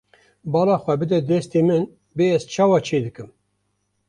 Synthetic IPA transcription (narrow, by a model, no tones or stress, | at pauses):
bɑːlɑːxʷɛbɨd̪ɛd̪ɛst̪emɨn | beːɛzt͡ʃʰɑːwɑːt͡ʃʰeːd̪ɨkɨm